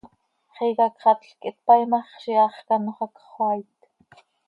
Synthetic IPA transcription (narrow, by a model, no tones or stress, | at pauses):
χiːɣɑkχɑt̪ɬkʼit̪̚pɑjmɑχʃiɑχkɑnoχɑkχwɑːjt̪